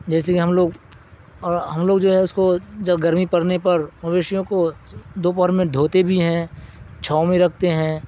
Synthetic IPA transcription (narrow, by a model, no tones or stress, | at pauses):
d͡ʒɛːsekiɦɐmloːɡ | ɔːɾɦɐmloːɡd͡ʒoːɦɛʊskod͡ʒɐɡɐɾmipɐɾnepɐɾmɐbeːʃjõkod̪oːp̬ɔɾmẽd̪ʱoːt̪ebʱiɦɛ̃t͡ʃʰaːmẽɾɐk̚ʰt̪eɦɛ̃